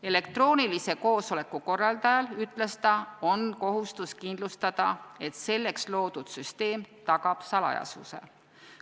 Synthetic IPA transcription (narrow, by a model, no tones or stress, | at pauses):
e̞le̞k̚t̪ro̞ːnilise̞ko̞ːso̞le̞kːuko̞rːɑld̪ɑjɑlyt̪ːˑle̞st̪ɑo̞nko̞ɦust̪uskind̪lust̪ɑd̪̥ɑe̞t̪se̞lːe̞kslo̞ːd̪̥ud̪̥syst̪e̞ːmt̪ɑɡ̥ɑb̥sɑlɑ̰jɑ̰sṵse̞̰